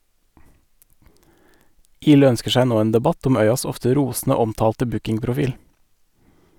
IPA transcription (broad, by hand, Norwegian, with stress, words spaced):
ˈiːlɛ ˈœnskə ˈsæɪ ˈnoː ˈeːn dɛˈbɑt ˈɔm ˈœʏɑs ˈɔftə ˈɾuːsn̩ə ˈɔmˌtɑːltə ˈbʉkɪŋpɾʊˌfiːl